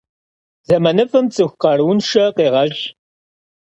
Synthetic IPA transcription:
zɐmɐnɨfɨmt͡sʼɨxʷqɐrwnʂɐqeːʁɐʒ

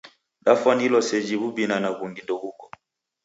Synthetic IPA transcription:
ɗafwanilɔsɛd͡ʒiβubinanaβuŋɡindɔhukɔ̥

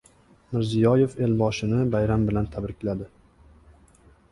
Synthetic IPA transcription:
mɪɾzɪjɒje̞fe̞lbɒʃɪnɪbajɾambɪlant̪ʰabɾɪkʲlad̪ɪ

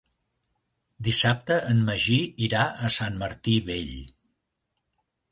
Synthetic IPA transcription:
d̪isap̚t̪əʔənməʒiiɾaʔəsanməɾt̪iβeʎ

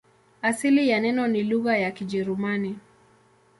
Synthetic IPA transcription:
asilijanɛnɔniluɣajakiʄɛɾumani

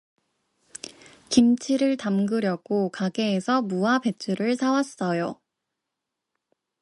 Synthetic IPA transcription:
kimt͡ɕʰiɾɯɭtamɡɯɾjʌɡokaɡe̞ːsʰʌmuwape̞t͡ɕʰuɾɯɭsʰawas͈ʌjo

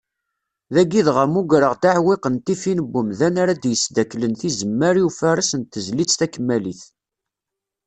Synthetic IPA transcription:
ðæɡiðʁəmuɡɾəʁt̪aʕwɪqənt̪ifinəbːumðænaɾad̪jəsd̪ækːlənθizəmːəɾjufæɾˤəsənt̪ːəzlit͡st̪ækːəmːæliθ

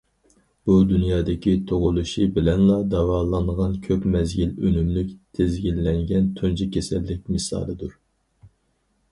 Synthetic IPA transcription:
b̥ud̪unjɑːd̪ɪkʲit̪ʰoʁʊlˠuʃibɪlɛnlˠɑd̪ɛwɑːlˠɑnʁɑnkʲʰøpmɛzɡʲilønymlykʲt̪ʰezɡʲinːɛŋɡʲɛnt̪ʰund͡ʒikʲʰesɛlːɪk̚ʲmɨsɑ̰ːlˠɨd̪uɾ

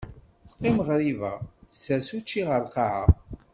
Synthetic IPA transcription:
θə̥qːɪməʁɾivə̰θəsːæɾsut͡ʃːiʁəɾˤqɑʕa̰

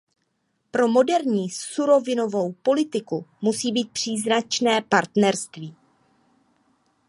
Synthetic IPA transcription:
pɾo̞mo̞dɛɾɲiːsuɾo̞vɪno̞vo̞wpo̞lɪt̪ɪkumusiːbiːt̪̚pr̝̥iːznat͡ʃnɛːpaɾt̪nɛɾst̪viː

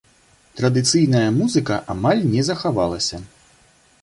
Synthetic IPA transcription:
t̪ɾɐd̪ɨt̪sɨjnɐjɐmuzɨkɐʔamalʲnʲɛzɐxavalˠɐsʲɐ

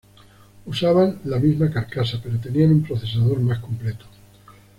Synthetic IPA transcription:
usaβanlamizmakaɾkasape̞ɾot̪e̞nianumpɾoθe̞s̬aðo̞ɾmaskomplet̪o̥

